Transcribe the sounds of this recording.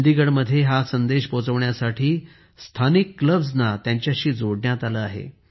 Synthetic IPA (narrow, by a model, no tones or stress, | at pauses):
d̪iɡəɽməd̪ʱːjeɦasənd̪eɕpot͡səʋɳjasaʈʰiː | st̪ʰanikːləbznat̪jaɲt͡ɕjaɕiːd͡zoɽɳjat̪aləaɦḛ